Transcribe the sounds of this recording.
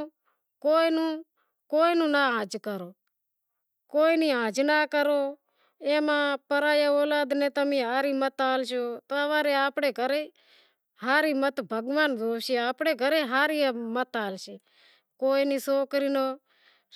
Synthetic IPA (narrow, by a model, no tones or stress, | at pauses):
koːinũː | koːinũːnaːãːd͡ʒkəɾoː | koːiniːãːd͡ʒnaːkəɾoː | eːmãːpəɾaːjaːoːlaːd̪nẽːt̪əmĩːɦaːɾiːmət̪aːlʃoːt̪oːəʋaːɾeːaːpɽeːɡʱəɾeː | ɦaːɾiːmət̪bʱəɡʋaːnd̪oːʋʃeːaːpɽeːɡʱəɾeːɦaːɾiːmət̪aːlʃeː | koːiniːsoːkɾiːnoː